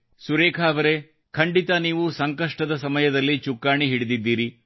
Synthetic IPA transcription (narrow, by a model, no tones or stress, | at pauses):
suɾeːkʰaːʋɐɾe̞ | kʰɐɳɖit̪ɐniːʋusɐŋkɐʂʈɐd̪ɐsɐmɐjɐd̪ɐlːit͡ʃukːaːɳiɦiɽid̪id̪ːiːɾi